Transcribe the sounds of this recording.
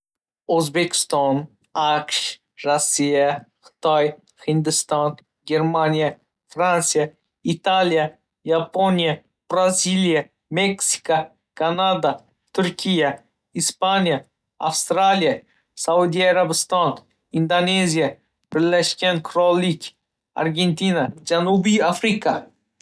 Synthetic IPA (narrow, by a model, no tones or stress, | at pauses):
ozbekʲɪ̥st̪ɑn | aqʃ | ɾosʲːijaqʰɨ̥t̪ɑj | hɪnd̪ɨst̪ɑn | ɡʲeɾmanʲija | fɾant̪sija | it̪alʲija | japonʲija | b̥ɾazʲilija | meksʲi̥ka | kanad̪a | t̪ʰʊɾkʲija | ispanʲija | afst̪ɾalʲija | saud̪ʲiaɾabɨst̪ɑn | ind̪anʲezʲija | pɪɾlʲæʃkʲenkʰɾɔlʲˠːikʲ | a̰rɡʲenʲt̪ʲinad͡ʒanubiafɾʲika